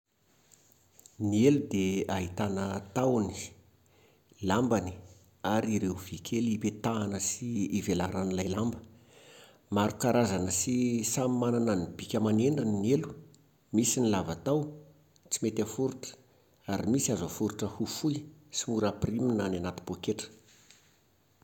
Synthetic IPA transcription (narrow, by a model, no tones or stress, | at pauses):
nielud̪eaɦit̪anət̪awni̥ | lambani̥ | aɾiɾeuvikʲʰelipet̪aːnəsiːvelaɾanilajlambə̥ | maɾukaɾazanəsisamimananənibikʲəmaneɳɖ͡ʐininelu̥ | misinilavat̪aw | t͡simet̪afuɾuʈ͡ʂə̥ | aɾimisiazəfuɾuʈ͡ʂəhufujsimuɾapriminananat̪i̥b̥okeʈ͡ʂə̥